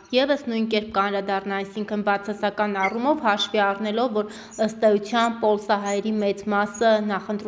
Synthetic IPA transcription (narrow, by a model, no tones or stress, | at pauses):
jɛvəsnujnkɛɾp̚kəɑnɾɑd̪ɑrnɑɑjsiŋkʰənbɑt͡sʰɑsɑkɑnɑrumɔvhɑʃviɑrnɛlɔvːɔɾ | əst̪ɛjut͡sʰjɑnpɔlsɑɦɑjɛɾimɛt͡smɑsənɑχənt̪ɾu